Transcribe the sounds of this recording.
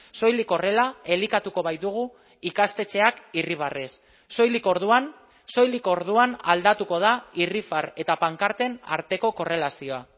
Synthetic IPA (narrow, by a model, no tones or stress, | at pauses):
so̞jliko̞re̞lae̞likat̪uko̞βajd̪uɣ̞u | ikast̪e̞t͡ʃe̞akiriβ̞aresː | o̞jliko̞ɾðuan | so̞jliko̞ɾð̞uanald̪at̪uko̞ð̞airifaɾe̞t̪apaŋkaɾt̪e̞na̰ɾt̪e̞ko̞ko̞re̞lasio̞a